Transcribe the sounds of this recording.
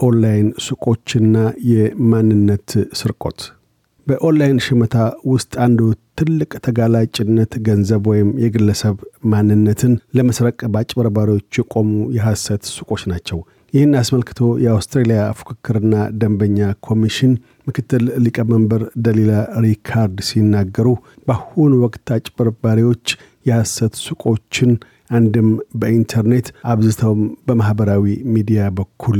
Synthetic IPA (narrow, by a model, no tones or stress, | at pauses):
ʔonlajnsukʼo̞t͡ʃːɪnːajɛmanːɨnːət̪sɨɾkʼo̞̰t̪ | bəʔonlajnʃɛmət̪ʰawʊst̪ʼand̪ot̪ʰːɨlːɨkʼt̪ʰəɡalat͡ʃʼɪnːət̪ɡənzəβwɔjɪmjɛɡɨlːəsəβmanːɨnːət̪ʰɨnləməsɾəkʼːəbat͡ʃʼbəɾbaɾiwo̞t͡ʃːjɛkʼo̞mujɛɦasət̪sukʼo̞t͡ʃːnat͡ʃːɛw | jɪhɪnːasməlkɨ̥t̪ʰo̞jɛawst̪ɾelijafu̥kʰɨkːɨɾɨnːad̪əmbəɲːakʰo̞miʃɪn | mɨkʰɨt̪ːɨllikʼəməmbəɾd̪əlelaɾikʰaɾd̪sinːaɡːəɾu | b̥ahunwɔkʼt̪at͡ʃʼbəɾbaɾiwo̞t͡ʃː | jɛhasət̪sukʼo̞t͡ʃːɪn | ʔand̪ɨmbəint̪ʰəɾne̞t̪ʔaβzɨt̪ʰəwmbəmahbəɾawimid̪ijabəkʰːul